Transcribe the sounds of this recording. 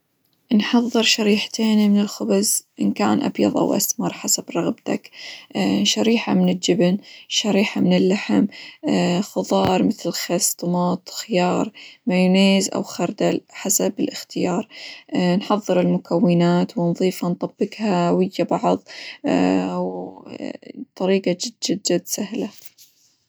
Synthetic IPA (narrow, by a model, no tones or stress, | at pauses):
nħɑðˤːɨɾʃaɾiːħt̪ʰeːnimɪnɪlxʊbazʔɪnka̰ːnʔa̰bjɑ̰ðˤʔa̰wʔa̰smɑɾˤħasabɾˤɑɣbt̪akː | ʃaɾiːħamɪnɪld͡ʒɪbnʃaɾiːħamɪnɪlːaħɪm | xʊðˤɑːɾˤmɪθlxast̪ˤmɑːt̪ˤxɪjɑːɾˤmajneːzʔa̰wxɑɾˤd̪aħasabɪlʔɪxt̪ɪjɑːɾˤnħɑðˤːɨɾɪlmʊkʰawːɪnaːt̪wɪnðˤiːfant̪ˤɑbːɪɡhawɪjːabɑʕðˤ | w | t̪ˤɑɾiːqɑd͡ʒɪdːɪd͡ʒad̪sahla